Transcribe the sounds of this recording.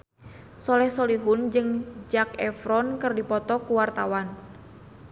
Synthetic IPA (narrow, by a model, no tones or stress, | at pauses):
sɔlɛhsɔliɦund͡ʒɨŋd͡ʒakɛfɾɔnkɨrdipɔt̪ɔkuwart̪awan